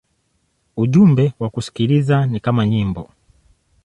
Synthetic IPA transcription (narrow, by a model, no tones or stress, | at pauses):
uʄumbɛwakusi̥kiɾizanikamaɲimbɔ